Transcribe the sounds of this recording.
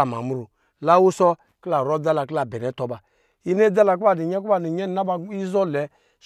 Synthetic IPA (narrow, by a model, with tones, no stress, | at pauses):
a˨m˨a̰˨mu˦ɾu˨ | la˦wu˦sɔ˦ | kla˨ɾɔ˦d͡za˦la˨kla˨bɛ˨nɛ˨˦tɔ˨ba˨ | i˦ne˦d͡za˦la˨k̬u˦ba˨di˨ɲɛ˦kba˦ni˨ɛ˦n˨˦a˦ba˧˦i˦zɔ˦lɛ˨˦